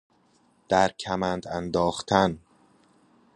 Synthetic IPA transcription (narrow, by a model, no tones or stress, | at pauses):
d̪̥æɾcʰæmænd̪ænd̪ɒːχt̪ʰæn